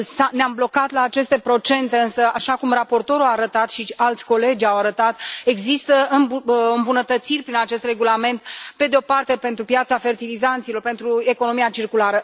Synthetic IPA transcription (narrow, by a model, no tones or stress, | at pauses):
saneamblo̞kat̪laːt͡ʃe̞st̪e̞pɾo̞t͡ʃe̞nt̪e̞ɨnsəaʃakumrapo̞rt̪o̞ɾuaːɾət̪at̪ʃialt̪sʲko̞le̞d͡ʒʲawaɾət̪at̪e̞ɡzist̪əɨɨmbunət̪ət̪sirʲpɾinat͡ʃe̞st̪re̞ɡulame̞nt̪pe̞d̪eo̞part̪e̞pe̞nt̪ɾupjat̪safe̞rt̪ilizant̪silo̞rpe̞nt̪ɾue̞ko̞no̞miat͡ʃirkulaɾə